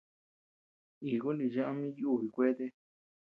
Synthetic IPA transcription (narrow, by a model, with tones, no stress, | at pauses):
i˨ku˦ndĩ˧ʒã˦ã˧mĩ˦ju˧βi˧kʷe˦t̪e˦